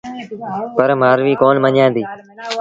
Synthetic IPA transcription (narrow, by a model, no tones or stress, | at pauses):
pəɾmaːɾʋiːkoːnməɲãːnd̪iː